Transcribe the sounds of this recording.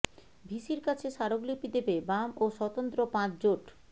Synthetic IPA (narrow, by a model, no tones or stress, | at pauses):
bʱiʃiɾkat͡ɕʰeʃaɾoɡlipid̪ebebamoʃɔt̪ont̪ɾopãt͡ɕd͡ʑoʈ